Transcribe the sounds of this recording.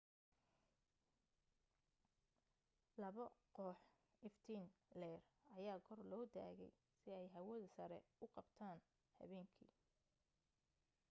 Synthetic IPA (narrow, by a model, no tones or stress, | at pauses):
lɐβɐqɔːħ | ɪft̪ʰinlɛːrɐjaːkʰɔrlɔːd̪a̰ːɣɛ̰j | sɪɛjɦɐwɐðɐsɐɾɛ̰ʊqɑbt̪ʰaːn | hɐ̰βɛːŋkʰḭː